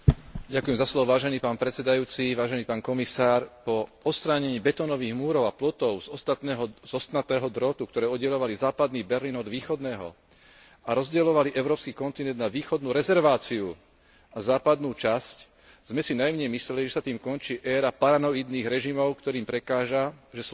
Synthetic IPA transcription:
ɟakujɛmzaslɔʋɔʋaːʒɛniːpaːnpɾɛt̪t͡sɛd̪ajuːt͡siʋaːʒɛniːpaːnkɔmisaːɾpɔɔtst̪ɾaːɲɛɲiːbɛt̪ɔːnɔʋiːɣmuːɾɔʊaplɔt̪ɔʊzɔst̪aɛɦɔzɔst̪nat̪ɛːɦɔd̪ɾɔt̪uk̚t̪ɔɾɛːɔd̪ɟɛlɔʋalizaːpad̪niːbɛɾliːnɔd̪ʋiːxɔd̪nɛːɦɔ̰ | aɾɔzɟɛlɔʋaliʔɛʊɾɔːpskiːkɔnt̪inɛnd̪naʋiːxɔd̪nuːɾɛzɛɾʋaːt͡siu | azaːpad̪nuːt͡ʃasc | z̥mɛsinajmɲɛmisɛliʒɛsat̪iːmkɔnt͡ʃiːʔɛːɾapaɾanɔid̪niːɣɾɛʒimɔʊkt̪ɔɾiːmpɾɛkaːʒaʒɛs

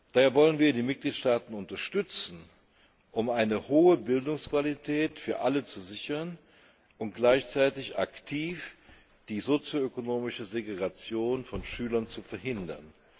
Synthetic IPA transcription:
d̥aːheːɐvɔlənviːɐdiːmɪt̚ɡ̥liːtʃtaːtn̩ʊntɐʃtʏt͡sn̩ | ʔʊmaɪnəhoːəbɪldʊŋskv̥alitʰɛːtfyːɐʔalət͡suzɪçɐn | ʊntɡ̥laɪçt͡saɪtɪça̰ktʰiːf | d̥iːzot͡sjoøkonoːmɪʃəzeɡeʁat͡sjoːnfɔnʃyːlɐnt͡sufɛɐɦɪndɐ̰n

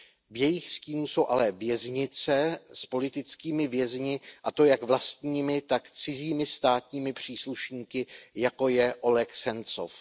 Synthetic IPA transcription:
vjɛjɪxsciːnuso̞wʔalɛvjɛzɲɪt͡sɛspo̞lɪt̪ɪt͡skiːmɪvjɛzɲɪʔat̪o̞jakvlast̪ɲiːmɪt̪akt͡sɪziːmɪst̪aːt̪ɲiːmɪpr̝̥iːsluʃɲiːkɪjako̞jɛʔo̞lɛxsɛnt͡so̰f

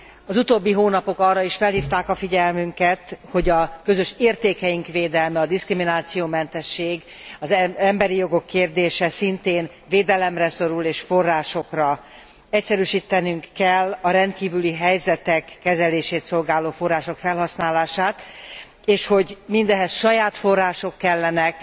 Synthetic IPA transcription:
ɒzut̪oːbːiɦoːnɒpo̞kɒrːɒiʃfɛlhiːft̪aːkɒfiɟɛlmyŋkɛt̪ho̞ɟɒkø̞zø̞ʃeːrt̪eːkɛjiŋkʋeːd̪ɛlmɛɒd̪iskriminaːt̪sijoːmɛnt̪ɛʃːeːɡ | ɒzɛmbɛɾijo̞ɡo̞kːeːrd̪eːʃɛsint̪eːn | veːd̪ɛlɛmrɛso̞ɾuleːʃfo̞rːaːʃo̞krɒ | ɛcsɛɾyːʃiːt̪ːɛnyŋkːɛlːɒɾɛnt̪̚kiːvyliɦɛjzɛt̪ɛkːɛzɛleːʃeːt̪so̞lɡaːloːfo̞rːaːʃo̞kfɛlɦɒsnaːlaːʃaːt̪ | eːʃho̞ɟmind̪ɛɦɛsʃɒjaːt̪fo̞rːaːʃokːɛlːɛnɛk

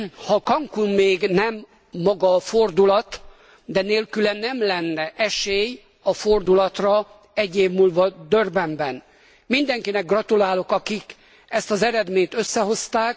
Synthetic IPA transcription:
hɒkɒŋkunmeːɡnɛmː | ɒɡɒːford̪ulɒt̪ | d̪ɛneːlkylɛnːɛmlɛnːɛʔɛʃeːj | ɒfo̞rd̪ulɒt̪rɒ | ɛɟːeːvmuːlvɒd̪ørbɛmbɛn | mind̪ɛŋkinɛɡ̚ɡrɒt̪ulaːlo̞kɒkik | ɛst̪ɒzɛɾɛd̪meːɲt̪øsːɛho̞st̪aːk̚

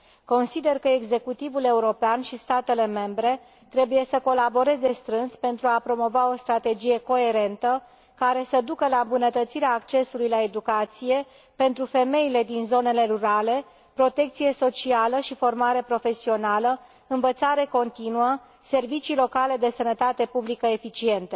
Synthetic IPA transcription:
ko̞nsid̪e̞rkəeɡze̞kut̪ivule̞uɾo̞peanʃist̪at̪e̞le̞me̞mbɾe̞ | t̪ɾe̞buje̞səko̞labo̞ɾe̞ze̞st̪ɾɨnspe̞nt̪ɾuapɾo̞mo̞vao̞st̪ɾat̪e̞d͡ʒije̞ko̞e̞ɾe̞nt̪ə | kaɾe̞səd̪ukəlaɨmbunət̪ət̪siɾeaːkt͡ʃe̞sulujlae̞d̪ukat̪sije̞ | pe̞nt̪ɾufe̞me̞ile̞d̪inzo̞ne̞le̞ɾuɾale̞ | pɾo̞t̪e̞k̚t̪sije̞so̞t͡ʃialəʃifo̞rmaɾe̞pɾo̞fe̞sio̞nalə | ɨnvət̪saɾe̞ko̞nt̪inuə | se̞rvit͡ʃilo̞kale̞d̪e̞sənət̪at̪e̞publikəe̞fit͡ʃie̞nt̪e̞

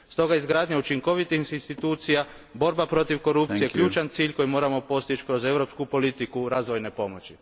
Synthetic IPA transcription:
st̪o̞ɡaizɡɾaːd̪ɲaut͡ʃiŋko̞ʋit̪iinst̪it̪uːt̪sija | bo̞ɾbapɾo̞t̪iʋko̞ɾup̪ijekʎuːt͡ʃant̪siːʎko̞jimo̞ːɾamo̞po̞st̪it͡ʃkɾo̞ze̞ʋɾo̞pskupo̞lit̪ikuɾaːzʋo̞jne̞po̞mo̞t͡ɕi

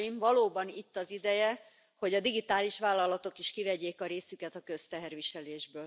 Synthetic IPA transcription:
imvɒloːbɒnit̪ːɒzid̪ɛjɛ | ho̞ɟɒd̪iɡit̪aːliʃʋaːlːɒlɒt̪o̞kiʃkivɛɟeːkɒɾeːsykɛt̪ɒkø̞st̪ɛɦɛrʋiʃɛleːʒbøːl

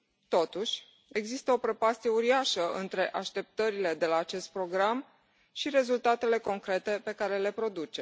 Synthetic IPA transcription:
t̪o̞t̪uʃʲ | e̞ɡzist̪əo̞pɾe̞past̪ije̞uɾiaʃəʔɨnt̪ɾe̞ʔaʃt̪e̞p̚t̪əɾile̞d̪e̞laːt͡ʃe̞st̪̚pɾo̞ɡɾam | ʃiɾe̞zult̪at̪e̞le̞ko̞ŋkɾe̞t̪e̞pe̞kaɾe̞le̞pɾo̞d̪ut͡ʃe̞

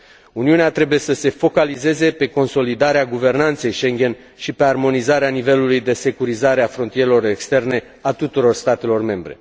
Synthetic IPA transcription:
uniuneat̪ɾe̞buje̞səse̞fo̞kalize̞ze̞pe̞ko̞nso̞lid̪aɾeaɡuve̞rnant̪se̞jʃe̞ŋɡʲe̞n | ʃipe̞armo̞nizaɾeanive̞lulujd̪e̞se̞kuɾizaɾeafɾo̞nt̪ije̞ɾe̞lo̞re̞kst̪e̞rne̞ | at̪ut̪uɾo̞rst̪at̪e̞lo̞rme̞mbɾe̞

